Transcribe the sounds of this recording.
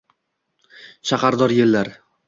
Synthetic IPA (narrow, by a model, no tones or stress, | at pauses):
ʃaχɑɾd̪ɒɾje̞lːaɾ